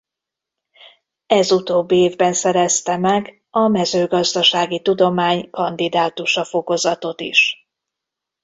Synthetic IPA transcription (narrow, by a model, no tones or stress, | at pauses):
ɛzut̪oːbːieːvbɛnsɛɾɛst̪ɛmɛɡ | ɒmɛzøːɡɒzd̪ɒʃaːɡit̪ud̪o̞maːɲkɒnd̪id̪aːt̪uʃɒfo̞ko̞zɒt̪o̞t̪ḭʃ